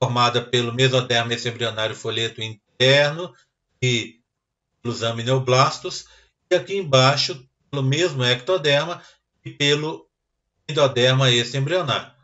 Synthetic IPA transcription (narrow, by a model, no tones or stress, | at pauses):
foɾmad̪ɐpelʊmezod̪ɛɾmɐesɪẽmbɾionaɾjʊfoʎet̪ʊĩnt̪̚ɛɾnʊ | ɪ | pelʊzɐ̃minewblast̪ʊs | ɪakiẽbaʃʊ | elʊmezmʊɛk̚t̪od̪ɛɾmɐ | ɪpelʊ | ẽd̪od̪ɛɾmɐesɪẽmbɾiona̰ɾjʊ